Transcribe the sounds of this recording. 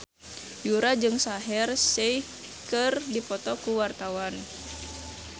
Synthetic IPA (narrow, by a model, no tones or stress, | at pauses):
juɾad͡ʒɨŋsaɦɛrsɛ | kɨrdipɔt̪ɔkuwart̪awan